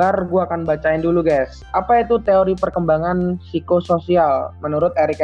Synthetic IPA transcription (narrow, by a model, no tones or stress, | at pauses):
arɡuaːkanbat͡ʃaɪnduluɡajs | ʔapait̪ut̪eoɾipərkəmbaŋansikososialmənuɾʊt̪̚aɾika